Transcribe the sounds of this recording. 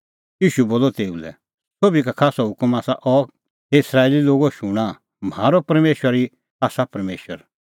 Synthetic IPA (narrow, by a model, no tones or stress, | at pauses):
jiːʃuboːlɔt̪eːṵlɛ̰ | soːbikakʰaːsɔɦʊkəmaːsaʔɔ | ɪsɾaːeliloːɡoʃʊɽ̃a | m̤aːɾɔpɐɾmeːʃwəɾi | aːsapɐɾmeːʃəɾ